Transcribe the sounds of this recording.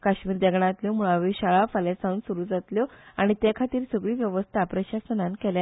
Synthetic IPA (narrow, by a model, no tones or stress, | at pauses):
kaɕmiːɾd̪ɛɡɳãt̪ljomuɭaʋiːɕaɭafalesaũnsuɾuːd͡zat̪ljɔaɽ̃it̪jekʰat̪iːɾsəɡɭiːʋjəʋəst̪ʰapɾəɕasənãnkɛlja